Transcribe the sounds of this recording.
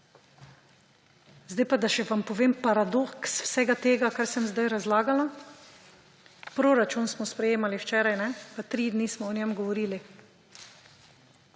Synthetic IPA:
zd̪ajpad̪aʃɛʋampɔʋeːmpaɾad̪oksw̥sɛɡat̪eːɡakaɾsɛmzd̪ajɾazlaːɡala | pɾoɾat͡ʃunsmɔspɾɛjeːmaliwt͡ʃɛːɾajnɛpat̪ɾid̪nismɔːnʲɛmɡɔʋɔɾiːli

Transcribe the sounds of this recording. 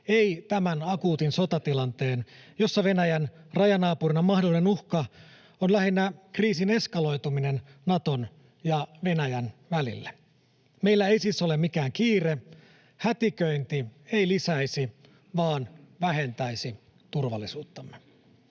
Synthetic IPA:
eijt̪æmænɑkuːt̪inso̞t̪ɑt̪ilɑnt̪e̞ːnjo̞sːɑʋe̞næjænrɑjɑnɑːpurinɑmɑhdo̞line̞nuhkɑ | onlæhinːækriːsine̞skɑlo̞jt̪uminennɑt̪o̞n | jɑʋe̞næjænʋælḭlːe | me̞ilːæeisiːsːo̞lemmikæːŋkiːre | hæt̪ikøint̪ie̞ilisæisi | ʋɑːnʋæɦe̞nt̪æisi | t̪urʋɑlːisuːt̪ːɑmːe

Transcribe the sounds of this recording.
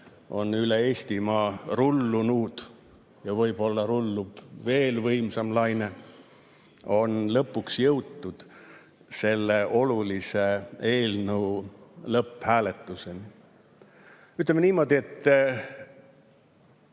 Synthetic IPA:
o̞nyle̞e̞ːsʲt̪imɑːrulːunuːd̪̥ | jɑvɤjb̥o̞lːɑɾulːub̥ve̞ːlvɤjmsɑmlɑjne̞ | o̞nlɤpːˑuksjɤwt̪ːud̪̥ | se̞lːeʔo̞lulise̞e̞ːlnɤwlɤpːhæːle̞t̪ːˑuse̞ni | yt̪lemeniːmo̞ːd̪ie̞t̪ː

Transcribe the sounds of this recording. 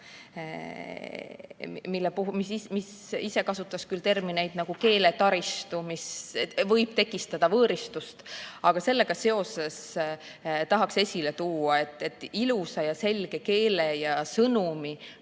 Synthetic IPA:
milːepumisimisise̞kɑsut̪ːˑɑskylt̪e̞rmine̞jd̪̥nɑɡ̥uke̞ːle̞t̪ɑɾist̪umisvɤ̞jb̥̚t̪e̞kːˑist̪ɑd̪̥ɑvɤːɾist̪ust̪ɑɡ̥ɑse̞lːe̞ɡ̥ɑse̞o̞se̞s | t̪ɑɦɑkse̞sʲile̞t̪uːɑe̞t̪ːˑe̞t̪ːˑilusɑjɑse̞lɡ̥e̞ke̞ːle̞jɑsɤnumi

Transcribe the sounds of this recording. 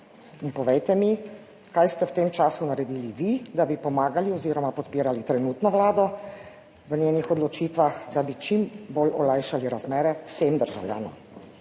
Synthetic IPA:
inpɔʋɛjt̪ɛmi | kajst̪ɛwt̪eːmt͡ʃaːsunaɾɛd̪iːliʋid̪abipɔmaːɡaliɔziːɾɔmapɔt̪piːɾalit̪ɾɛnuːt̪nɔʋlaːd̪ɔ | ʋənjeːnixɔd̪lɔt͡ʃiːt̪ʋaxd̪abit͡ʃimbolʔɔlajʃaliɾazmɛːɾɛwsemd̪əɾʒawlja̰ːnɔ̰m

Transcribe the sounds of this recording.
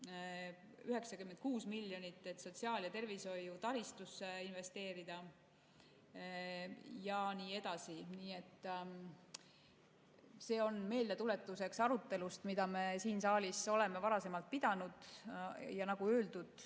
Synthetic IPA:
yɦe̞ksɑkyment̪̚kuːsmiljo̞nit̪ːˑe̞t̪ːso̞t̪ʲsiɑːljɑt̪e̞rviso̞jut̪ɑɾist̪usːeinve̞st̪e̞ːɾid̪̥ɑ | jɑniːe̞d̪ɑsiniːe̞t̪ːˑ | se̞ːo̞nme̞ːld̪e̞t̪ule̞t̪ːˑuse̞ksɑɾut̪ˑːe̞lust̪mid̪̥ɑme̞siːnsɑːlʲiso̞le̞me̞vɑɾɑse̞mɑlt̪̚pid̪ɑnud̪̥ | jɑnɑɡ̥uøːld̪ud̪̥

